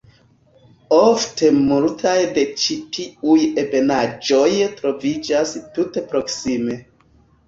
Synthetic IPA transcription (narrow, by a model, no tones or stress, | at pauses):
ofte̞multʰajde̞t͡ʃitiuje̞be̞nad͡ʒo̞jtɾo̞vid͡ʒastute̞pɾo̞ksime̞